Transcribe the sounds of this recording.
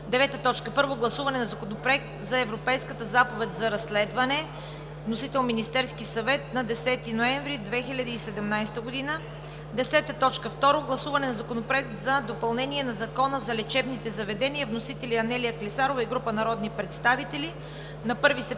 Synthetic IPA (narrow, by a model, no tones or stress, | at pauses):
d̪ɛvɛt̪ət̪ɔt͡ʃkəpɤɾvoɡlˠɐsuvɐnɛnɐzɐkonopɾoɛk̚t̪zɐɛvɾopɛjskət̪əzapovɛt̪zɐɾɐslɛd̪vɐnɛ | vnosit̪ɛlˠminist̪ɛɾskisɐvɛt̪̚nɐd̪ɛsɛt̪inoɛɱvɾid̪vɛxilʲɐd̪iːsɛd̪ɛmnajst̪əɡod̪inə | d̪ɛsɛt̪ət̪ɔt͡ʃkəft̪ɔɾoɡlˠɐsuvɐnɛnɐzɐkonopɾoɛk̚t̪zɐd̪opɐlˠnɛniɛnɐzɐkɔnəzɐlɛt͡ʃɛbnit̪ɛzɐvɛd̪ɛniəvnosit̪ɛliɐnɛlijəklisaɾovəiɡɾupənɐɾɔd̪nipɾɛt̪st̪avit̪ɛli | nɐpɤɾvisɛ